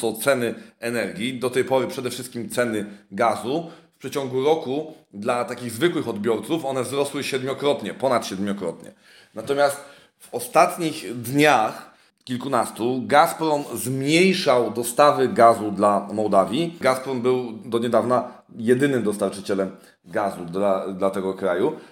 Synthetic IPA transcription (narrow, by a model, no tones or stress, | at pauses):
t̪ɔt̪sɛnɘɛnɛɾɡʲid̪ɔt̪ɛjpɔɾɘpʂɛd̪ɛfʂɘst̪̚kʲimt̪sɛnɘɡazufpʂɛt͡ɕɔŋɡuɾɔku | d̪lat̪akʲiɣzvɘkwɘxɔd̪bʲjɔɾt̪sufɔnɛvzɾɔswɘɕɛd̪mʲjɔkɾɔt̪ɲɛpɔnat̪ɕɛd̪mʲɔkɾɔ̰t̪ɲɛ̰ | nat̪ɔmʲjast̪ | vɔst̪at̪ɲixd̪ɲax | kʲilkunast̪uɡaspɾɔnzmɲejʂawd̪ɔst̪avɘɡazud̪lamɔwd̪avʲjiɡaspɾɔnbɘwd̪ɔɲɛd̪avna | jɛd̪ɘnɘmd̪ɔst̪aɾt͡ʂɘt͡ɕɛlɛm | ɡazud̪lad̪lat̪ɛɡɔkɾaju